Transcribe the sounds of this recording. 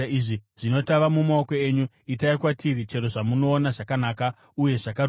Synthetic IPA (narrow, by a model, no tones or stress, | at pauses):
iʐiʐ̥ino̞taʋamumaoko̞eːɲu | itaikwatʰirit͡ʃe̞ɾoʐamuno̞ːnaʐakanaːka | uje̞ʐakaɾ